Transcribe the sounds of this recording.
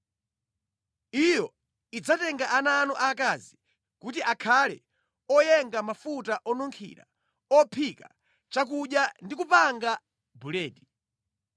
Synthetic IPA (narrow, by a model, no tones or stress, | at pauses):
ijɔ | id͡zatɛŋɡaʔananɔʔakazi | kut̬iʔakʰalɛ̰ | ɔjɛŋɡamafutaʔɔnɔŋkʰḭɾa̰ | ɔpʰika̰ | t͡ʃak̬uɗjandikupaŋɡa | bulɛːdi